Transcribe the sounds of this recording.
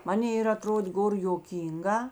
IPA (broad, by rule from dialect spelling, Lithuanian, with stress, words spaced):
ˈmɑːnʲeː ɪr ɐˈtroːdʲeː ˈɡoːr joːˈkʲiːŋˌɡɑː